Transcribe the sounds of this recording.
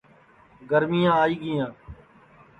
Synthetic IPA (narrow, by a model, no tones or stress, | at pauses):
ɡəɾmijãːaːiːɡɪjãː